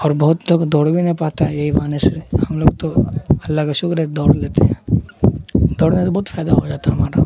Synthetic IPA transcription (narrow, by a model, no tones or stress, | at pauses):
ɔːɾbɐɦʊt̪loːɡd̪ɔːɽbʱinɐɦĩpaːt̪aɦɛjɐɦibaːnesehɐmloːɡt̪oɐlːakaʃʊkɾɦɛd̪ɔːɽleːt̪eɦɛ̃ː | d̪ɔːɽnesebɔːʊt̪faːjd̪aɦod͡ʒaːt̪aɦɐmaːɾa